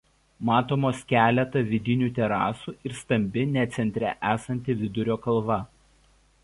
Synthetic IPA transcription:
mɑːt̪oːmoːskʲæːlʲɛt̪ɐʋʲɪd̪ʲɪnʲuːt̪ʲɛɾɑ̰ːsuːʔɪɾst̪ɐmʲbʲɪnʲɛt̪sʲɛnʲt̪ʲɾʲɛ̰ʔæːsɐnʲt̪ʲɪʋʲɪd̪ʊɾʲoːkɐlˠʋɐ

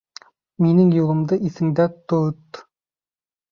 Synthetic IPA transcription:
menɪŋjuʁˠə̆md̪ɤʔisɪ̆ŋd̪æt̪ut̪

